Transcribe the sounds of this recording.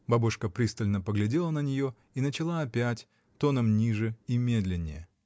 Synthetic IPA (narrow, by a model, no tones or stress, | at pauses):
babuʂkəpɾʲist̪əlʲnəpəɡlʲɪdʲe̞lˠənənʲɪjo̞ | inət͡ɕɪlˠaɐpʲætʲ | t̪o̞nəmnʲiʐɨimʲe̞d̪lʲɪnʲːɪ̰jə